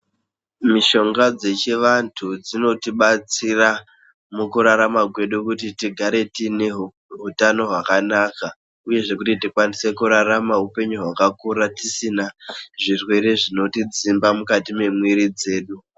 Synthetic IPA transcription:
miʃo̞ŋɡad͡ze̞t͡ʃeʋantʰud͡zino̞tiɓat͡sira | mukuɾaɾamakwe̞ɗukutitiɡʱaɾe̞tine̞ | ɦutano̞ɦwakanaka | uje̞ʐe̞kutitikwanise̞kuɾaramaɦupe̞ɲuɦwakakuːɾatisinaʐirwe̞ɾe̞ʐino̞tid͡zimbamukatime̞mwiɾid͡ze̞ːɗu

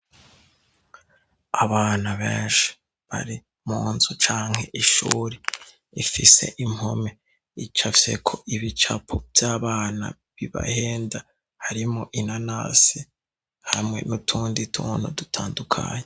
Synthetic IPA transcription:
aβaːnaβeːnʃi̥ | βa̰ɾi | muːnzut͡ʃaːŋhe̞ʔiʃuːɾi | ifise̞̰ʔimhome | it͡ʃafjekʰoʔiβit͡ʃapʰobjaːβaːna̰ | βiβa̰heːnda | haɾimoʔinana̰ːsi | hamŋe̞̰nutʰuːnditʰuːnudutʰaːndukʰa̰ːɲe

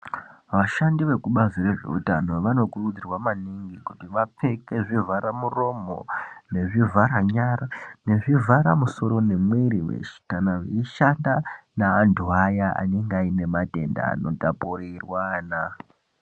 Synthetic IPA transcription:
ʋaʃandiʋe̞kuɓazire̞ʐe̞̰ṵtano̞ʋano̞kurud͡zirwamaniŋɡikutiʋap͡fe̞ke̞ʐivaɾamuro̞mo̞̰ne̞ʐivaɾaɲarane̞ʐivʱaɾamuso̞ɾo̞ne̞mweɾiwḛʃi̥kanaʋeiʃandanaːnduajaa̰ne̞ŋɡaine̞mate̞nda̰ːno̞̰tapoɾirwana

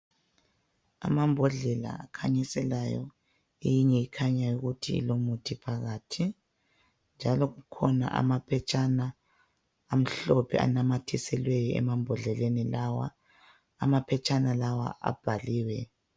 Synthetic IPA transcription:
a̰mambʱɔɮɛla̰akʰaɲisɛlajɔ̰ | ejiɲɛikʰaɲajuɣutʰiḭlomutʰipʰaɣaːtʰi | nd͡ʒʱalɔɣukʰɔna̰ʔa̰mapʰɛt͡ʃʼanaː | m̩ɬɔpʰɛ̰a̰namatʰisɛlwejɔɛ̰mambʱɔɮɛlenilawa̰ː | mapʰɛt͡ʃʼanalawa̰a̰b̥ʱaliːwɛ

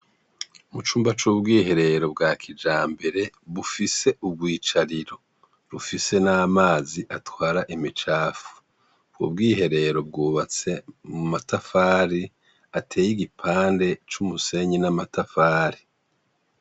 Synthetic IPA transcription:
umut͡ʃuːmbat͡ʃuːbɡiːɦe̞ɾe̞ɾo̞b̚ɡaːkʰid͡ʒaːmbe̞ɾe̞βufise̞ʔub̚ɡiːt͡ʃaɾiɾo̞ | ɾufise̞namaːziʔatwaːɾaʔimit͡ʃaːfu̥ | ɡṵbɡiːɦe̞ɾe̞ɾo̞b̚ɡuːβat͡se̞mumatafaːɾi | atʰe̞ːjiɡipʰaːnde̞t͡ʃumuse̞ɲinamatafaːɾi

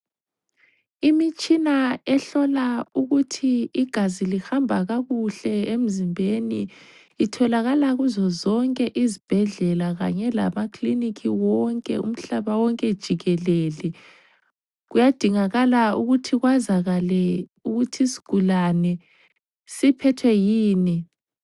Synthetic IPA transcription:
imit͡ʃʼinaɛɬɔlauɣutʰiːɡ̥ʱazilihambʱaɣaɣuɬɛem̩zimbʱeni | itʰɔlaɣalaɣuzɔzɔŋkʼɛʔizib̥ʱɛɮɛlaɣa̰ɲɛla̰makʰʼlinikʰiwɔŋkʼɛ̰ṵm̩ɬaβawɔŋkʼɛd̥ʒ̥ʱiɣɛleli | ɣujad̥ʱiŋaɣalauɣutʰiɣwazaɣalɛuɣutʰisi̥ɡ̥ʱulanɛ | sipʰɛtʰwɛjiːni

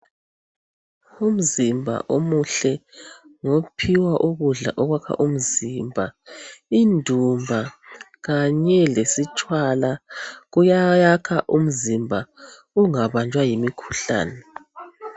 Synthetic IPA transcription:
um̩zimbʱa̰ʔomuɬɛŋopʰiwaʔuɣuɮa̰ʔɔɣwakʰa̰ʔum̩zimbʱaindʱumbʱa | ɣaɲɛlesit͡ʃʼwalaɣujajakʰaʔum̩zimbʱa | uŋaβand͡ʒʱʼwajimikʰu̥ɬa̰ːnɛ

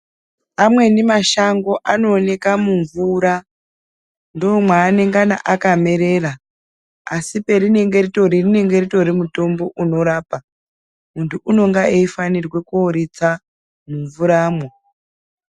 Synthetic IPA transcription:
amwe̞nimaʃaŋɡo̞ʔano̞ːne̞kamuɱvuɾa | ndo̞ːmwaːne̞ŋɡana̰ʔakame̞ɾe̞ːra | asipe̞ɾine̞ŋɡe̞rito̞ɾirine̞ŋɡe̞rito̞ɾimuto̞mbo̞ʔuno̞ɾaːpa | muntʰuʔuno̞ŋɡaeifanirwe̞kuoɾit͡sa | muɱvuɾaːmwo

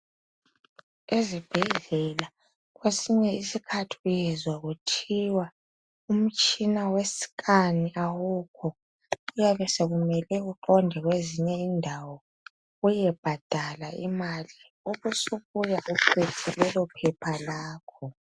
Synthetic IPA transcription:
ezib̥ʱɛɮɛla | ɣwesiɲɛisikʰatʰiujɛzwaɣutʰiwa | um̩t͡ʃʼinawesi̥kaniʔawukʰɔ | ujaβɛseɣumɛlɛɣuǃɔndʱɛɣweziɲɛindʱawɔ | ɣujɛb̥ʱad̥ʱalaimali | oβusuβujaʔupʰetʰilɛlɔpʰɛpʰalaːkʰɔ

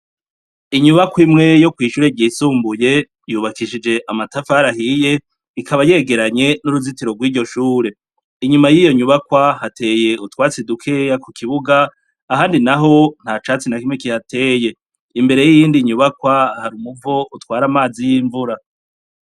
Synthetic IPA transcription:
iɲuβakwimŋe̞jo̞kwiːʃuːɾe̞ɟiːsuːmbuje̞ | juːβakiʃid͡ʒe̞ʔamatafaɾahije̞ | ikʰaβaje̞ɡe̞ɾaɲe̞nuɾuzitiɾo̞ɡwiːɟo̞ʃuːɾe̞ | iɲumajijo̞ɲuβakwahate̞je̞utwaːt͡sedukʰejakukʰiβuɡaː | haːndinaɦo̞n̥hat͡ʃaːt͡sinakimŋekihatʰe̞ːje̞ | imbe̞ɾe̞jijiːndiɲuβakwahaɾumuvo̞ʔutwaːɾamaːzijiːɱvuɾa

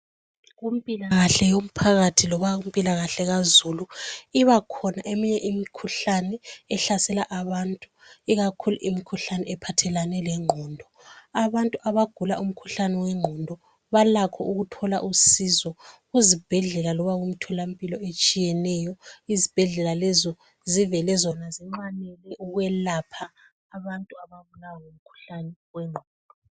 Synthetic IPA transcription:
ɣumipʼilaɣaɬɛjom̩pʰaɣatʰilɔβaɣumpʼilaɣaɬɛɣazuluiβakʰɔnaʔemiɲɛʔimikʰuɬanɛɛɬasɛlaʔaβantʼuiɣakʰuluʔimikʰuɬanɛɛpʰatʰɛlanɛlɛŋ͡ǃʱɔːndʱɔ | aβantʼuʔaβaɡ̥ʱulaʔum̩kʰuɬanɛwɛŋ͡ǃʱɔndʱɔ | βalakʰɔuɣutʰɔla̰ʔusizɔɣuzib̥ʱɛɮɛlalɔβaɣum̩tʰɔlampʼilɔet͡ʃʼijɛnɛjɔizib̥ʱɛɮɛlalɛzɔ | zivɛlɛzɔnaziŋ͡ǃwanɛlɛʔuɣwɛlapʰaː | βantʼuaβaβulawaŋom̩kʰu̥ɬanɛwɛŋ͡ǃʱɔːndʱɔ

